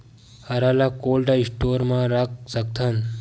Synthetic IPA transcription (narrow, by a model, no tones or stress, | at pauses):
hɐɾalakoːlɖaisʈoɾmãɾak̚sək̚t̪ʰan